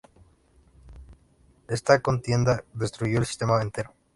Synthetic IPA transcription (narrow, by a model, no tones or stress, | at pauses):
est̪ako̞nt̪je̞nd̪aðe̞st̪ɾuʝo̞elsi̥st̪e̞maβent̪eɾo